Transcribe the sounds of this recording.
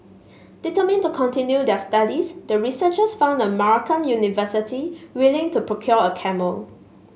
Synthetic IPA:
d̥itəmĩntukʰɔ̃ntĩnjudɛəstadisdəɹisət͡ʃəsfãʊ̃ndə̃maɹɔkʰə̃njunivəsitʰiwilɪ̃ŋtupʰɹokʰjɔəkʰɛməl

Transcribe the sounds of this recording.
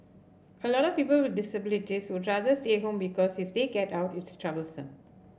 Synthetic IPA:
əlɔɾɔfpiːpəlwɪd̚dɪsəbɪlitiswʊdɹad̪əsteɦõmbikɔsifd̪eɡɛtaʊtɪtstɹabəlsə̰̃m

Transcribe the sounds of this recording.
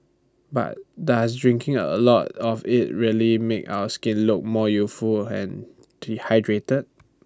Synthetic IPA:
ba̰t̚das̬dɹɪ̃ŋkʰɪ̃ŋə̰lɔtɔfɪt̚ɹiəlimeka̰ʊəskɪ̃nlʊk̚mɔjusfulɛ̰̃n | ihaɪdɹetəd̚

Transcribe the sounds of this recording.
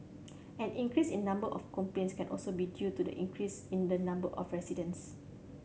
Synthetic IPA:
ɛ̃nĩŋkɹisĩnːãmbəʔɔfkɔ̃mplẽnskɛ̃nʔɔlsobidjutudə̰ʔḭ̃ŋkʰɹisĩndənãmbəʔɔfɹɛsidə̃ns

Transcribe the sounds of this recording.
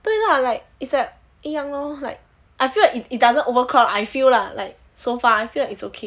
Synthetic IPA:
t̪oinalaɪk̚isdɛt̚ | ijãŋɔla̰ɪk̚ | ʔajfilaɪkitit̚dazə̃novəkʰɹɔlajfillala̰ɪk̚ | sofaajfilaɪkitsokʰe

